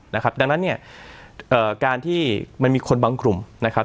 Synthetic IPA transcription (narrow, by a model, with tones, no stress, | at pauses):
na˦˥kʰa˦˥p̚da˧ŋna˦˥nːi˥˩ɐ | ʔɤː˨˩kaː˧nt̪ʰiː˥˩ma˧nmiː˧kʰo˧nbaː˧ŋkɾu˨˩mna˦˥kʰa˦˥